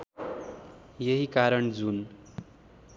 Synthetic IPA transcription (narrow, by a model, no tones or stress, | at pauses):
jʌɦikaɾʌɳd͡zun